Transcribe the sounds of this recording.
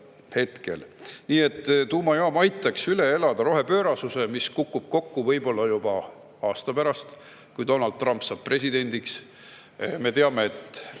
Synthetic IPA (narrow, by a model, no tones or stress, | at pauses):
he̞t̪ke̞̰lniːe̞t̪ːt̪uːmɑjoɑmɑjt̪ːˑɑksyle̞e̞lɑd̪̥ɑɾo̞ɦe̞pø̞ːɾɑsuse̞miskukːˑub̥̚ko̞kːuvɤjbo̞lːɑjub̥ɑ | ɑːst̪ɑpæɾɑst̪ | kujd̪o̞nɑld̪̚ˑrɑmpsɑːb̥̚pre̞sid̪̥e̞nʲd̪iks | me̞t̪e̞ɑme̞et̪ːˑ